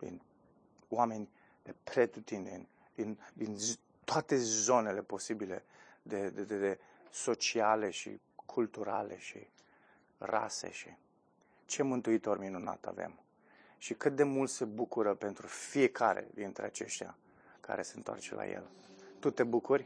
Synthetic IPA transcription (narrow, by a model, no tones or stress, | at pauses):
d̪ḭn | wame̞nʲ | d̪̥e̞pɾe̞t̪ut̪ind̪ḛnʲ | d̪ind̪in | t̪oat̪e̞zo̞ne̞le̞po̞sibile̞̰d̪ed̪ed̪ee | so̞t͡ʃiale̞ʃḭ | kʰult̪uɾa̰le̞ʃḭ | ra̰se̞̰ʃi | t͡ʃe̞mɨnt̪uit̪o̞rminuna̰t̪a̰ve̞̰m | ʃikɨt̪̚d̪e̞mult̪se̞bukuɾəpe̞nt̪ɾufie̞kaɾḛd̪int̪ɾḛat͡ʃe̞ʃt̪ja̰ | ka̰ɾe̞se̞nt̪oa̰rt͡ʃela̰jḛlt̪ut̪e̞bukurʲ